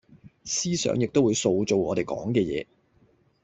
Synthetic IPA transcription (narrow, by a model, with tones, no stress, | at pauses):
siː˥sœ̰ː˨˥ŋjɪ˨k̚t̪o˥wuː˨˧jso˧wt͡so˨wŋɔː˨˧t̪e˨jkɔ̰ː˨˥ŋkɛː˧jɛ̰ː˨˧